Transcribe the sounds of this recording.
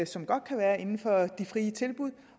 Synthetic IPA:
əsɒ̽mɡ̥ɒ̽d̥̚kʰæʋæːɐe̝nn̩fɒ̽d̥ifʁiːət͡sʰe̝lb̥uð̰ˠ

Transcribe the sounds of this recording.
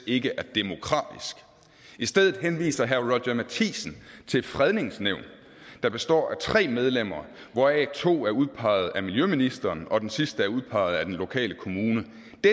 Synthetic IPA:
e̝ɡ̥əʔæɐd̥e̝mo̝kʰʁɑ̰̈ːd̥isɡ̥ | isd̥eð̰ˠð̩ˠɦenʋḭːsɐɦæɐʁɒ̥ɐmæt͡sʰḭːsn̩t͡sʰe̝lfʁɛð̞ˠne̝ŋsneʊ̰n | d̥ɑ̈b̥e̝sd̥ɒ̰ːæt͡sʰʁɛ̰ːmeð̞ˠlem̰ɐː | ʋɒɛ̰t͡sʰo̝̰ːæɐuðˠpʰɑ̈ɪð̞̩ˠæmiljøminisd̥ɐːnɒ̽d̥ensisd̥əæɐuð̞ˠpʰɑ̈ɪ̰ð̞̩ˠæd̥enlo̝kʰɛ̰ːləkʰo̝muːnə | d̥e

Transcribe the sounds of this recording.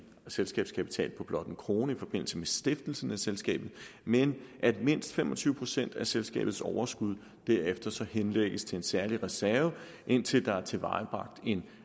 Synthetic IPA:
selsɡ̥ɛ̰ːb̥skʰæpʰi̥t͡sʰɛ̰ːlpʰɒ̽b̥lɒ̽d̥n̩kʰʁo̝ːnəifɒ̽b̥e̝n̰l̩səmesd̥e̝fd̥l̩sn̩æselsɡ̥ɛ̰ːb̥ð̩ˠmenʔæd̥me̝n̰sd̥femʔɒ̽t͡sʰyːʊəpʰo̝sen̰d̥æselsɡ̥ɛ̰ːb̥ð̩ˠsɒʊɐsɡ̥uð̞ˠ | d̥æɐefd̥ɐsɒ̽henleɡ̥əst͡sʰe̝ensæɐliʁɛsæɐʋə | ʔe̝n̰t͡sʰe̝ld̥ɑ̈æɐt͡sʰe̝ʋɑ̈ɪb̥ʁɑ̈ɡ̥̚d̥e̝n

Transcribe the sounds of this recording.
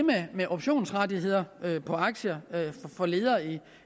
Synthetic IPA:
memeʔɔ̽b̥ɕo̝̰ːnsʁadiɦe̝ð̞̰ˠɐøpʰɒ̽ɑ̈ɡ̥ɕəɐøffɒ̽le̝ːð̞ˠɐːi

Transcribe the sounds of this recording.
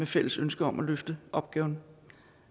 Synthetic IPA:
mefel̰əsønsɡ̥əɒ̽mʔæløfd̥əʔɒ̽b̥̚ɡ̥ɛːʊn

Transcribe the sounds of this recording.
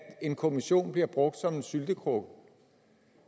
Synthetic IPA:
e̝nkʰo̝miɕo̝̰ːnb̥liɐb̥ʁɔ̽ɡ̥̚d̥sɒ̽me̝nsyld̥əkʰʁoɡ̥

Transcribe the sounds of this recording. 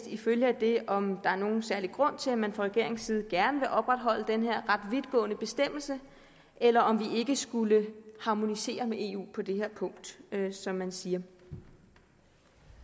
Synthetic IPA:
d̥iføljəæd̥e̝ɒ̽md̥ɑ̈æɐno̝ːn̩sæɐliɡ̥ʁɔ̽n̰t͡sʰe̝læmænfʁɑ̈ʁɛɡe̝ɐ̰e̝ŋsiːð̞̩ˠɡ̥æɐnəʋe̝ʔɒ̽b̥ʁäd̥ɦɒ̽l̰əd̥enɦe̝ɐ̰ʁɑ̈d̥ʋid̥ˠɡ̥ɔ̰̽ːnəb̥e̝sd̥em̰l̩sə | ʔelɐʔɒ̽mʋie̝ɡ̥əsɡ̥uləhɑ̈mo̝nise̝̰ːɐmeʔe̝ːṵːpʰɒ̽d̥e̝ɦeɐ̰pʰɔ̽ŋ̰d̥sɒ̽mːænsiːɐ

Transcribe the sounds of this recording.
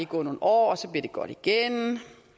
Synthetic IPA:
iɡ̥ɔ̰ːno̝ːn̩ɒ̰ːɒsɒ̽b̥liɐd̥e̝ɡ̥ɒ̽ɾ̥iɡ̥en

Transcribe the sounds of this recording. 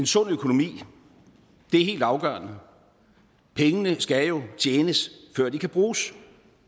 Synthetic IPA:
e̝nsɔ̽n̰økʰo̝no̝mḭː | d̥e̝æɐɦe̝̰ːld̥ɑ̈ʊɡ̥ɶ̰ɐ̰nə | pʰeŋənəsɡ̥æjo̝t͡ɕʰeːnəsfɶɐ̰d̥ikʰæb̥ʁuːs

